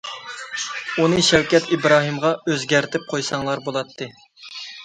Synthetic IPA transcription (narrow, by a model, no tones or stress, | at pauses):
unɨʃɛwkʲɛt̪ʰibɾɑːɦɨmʁɑøzɡʲæɾt̪ʰɪp̚qʰojsɑŋlˠɑɾbolˠɑt̪ʰːɨ